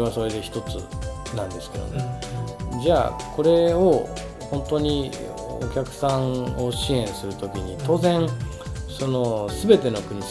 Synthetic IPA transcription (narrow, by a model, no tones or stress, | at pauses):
eβaso̞ɾe̞d̪e̞çi̥t̪o̞t͡sɨ̰ | nãnd̪e̞sɨ̥ke̞d̪o̰me | d͡ʑaːko̞ɾe̞o̞ | hõ̞nt̪o̞ɲ̟i | o̰kʲakɯ̟̥sãŋo̞ɕiẽ̞ɰ̃sɨɾɯ̟t̪o̞kʲiɲ̟it̪o̞ːzẽ̞ŋ | so̞no̞sɨbe̞t̪e̞no̞kɯ̟ɲ̟i